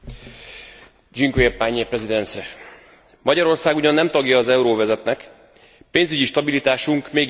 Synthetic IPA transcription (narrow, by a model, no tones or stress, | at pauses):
d͡ʒiŋkojɛpːaːɲːepɾɛzid̪ɛnsɛ | mɒɟɒɾo̞rsaːɡuɟɒnːɛmt̪ɒɡjɒːzɛuɾoːvɛzɛt̪nɛk | peːnzyɟiʃt̪ɒbilit̪aːʃuŋkmeːɡ